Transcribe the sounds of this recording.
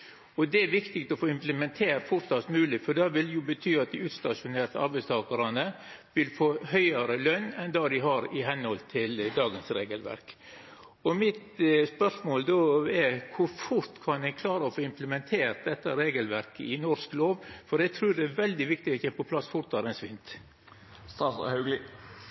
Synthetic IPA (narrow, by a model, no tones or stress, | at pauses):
ɔd̪ɛæɾʋɪkt̪ɪkt̪ɔfoːɪmpləmɛnt̪ʰeːɾfʊɾt̪sɑt̪mʉːlɪfɔɖɑʋɪljʊbət̪ʰyːɑt̪̚d̪ɪʉːt̪st̪ɑʂʊneːɾt̪əɑ̰ɾbɛɪst̪ʰɑːkəɾɑnə | ʋɪlfoːhœʏəɾəlœnːɛnd̪ɑːd̪ɪɦɑɾɪɦɛnhɔlt̪ʰɪld̪ɑːɡənsɾeːɡəlʋæ̰ɾk | ɔmɪt̪spœʂmoːld̪oɛɾkʰʊɾfʊɾt̪kʰɑnd̪ɛnkʰlɑːɾəɔfoːɪmpləmɛnt̪ʰeːɾt̪̚d̪ɛt̪ːəɾeːɡəlʋæɾkəɪnɔɾskloːʋfɔɾɛt̪ʰɾʉːd̪ɛæʋɛld̪ɪʋɪk̚t̪ɪɔt̪ɛpɔpʰlɑsːfʊɾt̪ːɑɾɛnsʋɪnt̪ | st̪ɑhɑɡlɪ